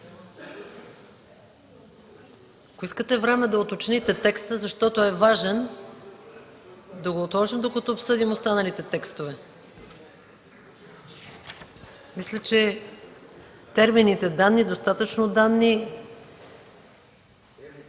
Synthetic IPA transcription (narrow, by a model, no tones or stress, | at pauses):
ɐkoiskət̪ɛvɾɛmɛd̪ɐot̪ot͡ʃnit̪ɛt̪ɛkst̪əzɐʃt̪ɔt̪oɛvaʒɛn | d̪ɐɡoːt̪lˠɔʒimd̪okɐt̪ɔopsɤd̪imost̪anɐlit̪ɛt̪ɛkst̪ovɛ | mislʲət͡ʃɛ | t̪ɛɾminit̪ɛd̪anːid̪ost̪at̪ət͡ʃnod̪anːi